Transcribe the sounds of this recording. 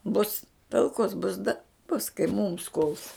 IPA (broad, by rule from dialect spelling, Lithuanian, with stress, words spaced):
bʊs tɐlˠˈkoːs bʊs dɐ bʊs kɐɪ muːms kʊlˠs